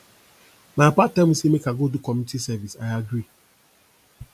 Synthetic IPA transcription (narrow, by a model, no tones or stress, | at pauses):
mapatɛmusimekaɡodukɔmitisɛvisaɪaɡɾi